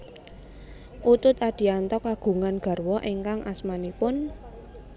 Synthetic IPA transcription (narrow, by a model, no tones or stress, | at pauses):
ʔut̪ʊt̪ad̪̥i̤ant̪ɔkaɡ̥ṳŋanɡ̥a̤rwɔʔeŋkaŋʔasmanipʊn